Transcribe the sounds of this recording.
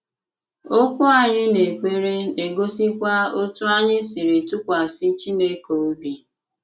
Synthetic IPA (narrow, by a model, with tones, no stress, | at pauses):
o˦kʷʊ˦a˨ɲɪ˦ne˨k͡pe˦ɾe˦e˨ɡo˦si˦kʷa˦o˦tʊ˦a˦ɲɪ˦si˨ɾe˨tu˦kʷa˨sɪ˦t͡ʃi˦ne˦ko˨u˦bi˨